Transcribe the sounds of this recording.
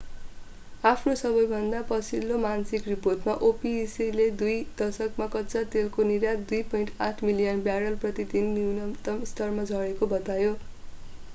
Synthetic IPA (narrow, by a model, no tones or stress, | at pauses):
apʰnosʌbʌjbʱʌnd̪apʌt͡sʰilːomansikriporʈmaʔopisiled̪ujd̪̥ʌrsʌkmakʌt̪ːt͡sat̪elkoniɾjad̪ujpʌinʈaʈʰmilijʌnbjaɾʌlprʌt̪id̪inːiunʌmt̪ʌmst̪ʌrmad͡zʱʌɽekobʌt̪ajo